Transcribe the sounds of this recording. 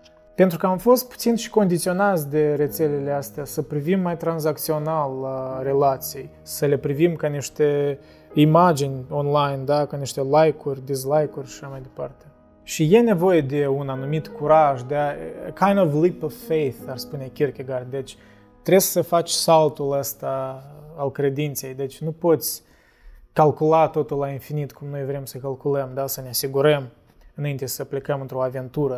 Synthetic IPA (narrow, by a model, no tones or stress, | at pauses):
pe̞nt̪ɾukəamfo̞st̪̚pu̥t̪sinʃi̥ko̞nd̪it̪sio̞nat̪sʲd̪e̞ɾe̞t̪se̞lele̞ast̪easəpɾivimːajt̪ɾanzak̚t̪sio̞nalare̞lat̪sijej | səle̞pɾivimkaniʃt̪e̞ | imad͡ʒinʲonlajnd̪akaniʃt̪e̞lajkurʲd̪iz̬lajkurʲʃḁʃamajd̪e̞pa̰rt̪e̞ | ʃije̞ne̞vo̞je̞d̪e̞unanumit̪kuɾaʒd̪eakʰajnd̪ovlipovfejθarspune̞kʲirkʲeɡard̪d̪e̞t͡ʃʲ | t̪ɾe̞ssəfat͡ʃʲsalt̪uləst̪aalkɾe̞d̪int̪se̞jd̪e̞t͡ʃʲnupo̞t̪sʲ | kalkulat̪o̞t̪ulːainfinit̪kumno̞jvɾe̞msəkalkuləmd̪asəneasiɡuɾəm | ɨnaint̪esəplekəmɨnt̪ɾo̞ave̞nt̪uɾə